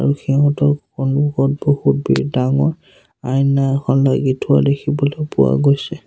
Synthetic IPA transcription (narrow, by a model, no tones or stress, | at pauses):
a̰ɹuxiɦɔ̃tɔkɔnbuɡɔt̚bohut̚bḭdaŋɔɹ | ajnaxʰɔnlaɡitʰʊadekʰibɔlɔpʊwa̰ɡojsɛ